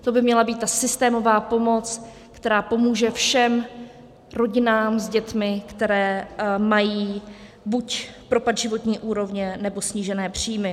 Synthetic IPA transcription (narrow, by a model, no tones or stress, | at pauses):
t̪o̞bɪmɲɛlabiːt̪̚t̪ːasɪst̪ɛːmo̞vaːpo̞mo̞t͡s | kt̪ɛɾaːpo̞muːʒɛfʃɛm | ɾo̞ɟɪnaːmzɟɛt̪mɪkt̪ɛɾɛːmajiː | bucpɾo̞pad̪ʒɪvo̞t̪ɲiːʔuːɾo̞vɲɛnɛbo̞sɲiːʒɛnɛːpr̝̥iːjmɪ